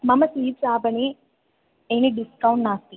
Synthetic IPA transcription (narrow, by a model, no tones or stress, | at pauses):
mɐmɐsiːbsaːbɐni | eniɖiskɐwɳʈnaːst̪i